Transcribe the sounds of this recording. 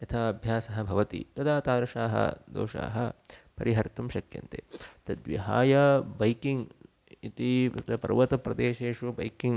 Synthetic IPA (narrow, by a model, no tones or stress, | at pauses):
jɐt̪ʰaɐbʱjaːsɐɦɐ̆bʱɐʋɐt̪ḭt̪ɐd̪aːt̪aːɾɐʂaːɦɐ̰d̪o̰ːʃa̰ːɦɐpɐɾiɦɐɾt̪umʃɐkjɐ̰nt̪ḛːt̪ɐd̪ʋḭɦaːjɐbɐjkiŋɡ | it̪imɐ̰t̪ɐpɐ̰ɾʋɐt̪ɐpɾɐd̪eːʃeːʂubɐjkiŋ